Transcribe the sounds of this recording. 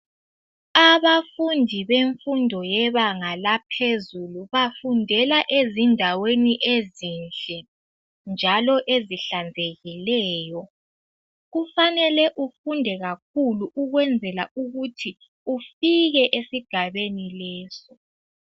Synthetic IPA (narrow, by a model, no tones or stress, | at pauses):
aβafundʱiβeɱfundʱɔjɛβaŋalapʰezuluβafundʱɛlaʔezindʱaweniʔezinɬɛ | nd͡ʒʱalɔʔeziɬand͡zʱeɣilɛːjɔ | ɣufanɛlɛʔufundʱɛɣak̚ʰuluʔuɣwɛnd͡zʱɛlauɣutʰi | ufiɣɛʔesiɡ̥ʱaβenilɛːsɔ